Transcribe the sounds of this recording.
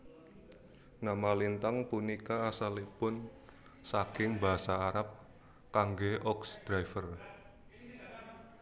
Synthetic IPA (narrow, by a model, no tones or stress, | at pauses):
namalint̪aŋpunikaːsalipʊn | sakɪŋbaɦasaːɾap̚ | kaŋɡeʔɔksd̪̥ɾaifər